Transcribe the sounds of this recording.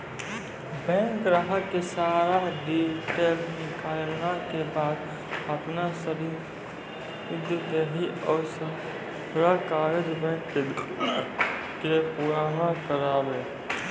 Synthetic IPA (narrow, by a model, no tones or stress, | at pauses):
bɛ̃ːŋkɾaɦəːesaːɾaɖiːʈeːlnɪkaːlnakebaːd̪ | əpnasəɾi | ɪd̪ət̪eɦiɔːɾsə | ɾakaːɾed͡ʒbɛ̃ːŋk̪ː | kepuɾaɦãkəɾaːbeː